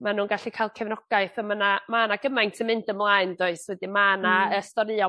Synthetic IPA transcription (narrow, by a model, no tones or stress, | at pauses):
manuːnɡaɬikʰajlˠkʰɛvnɔɡ̥aɨθəmənamaːnaɡəmajntʰəmɪndəmlˠaɨndoɨswɛdimaːnaəstɔɾɨɔ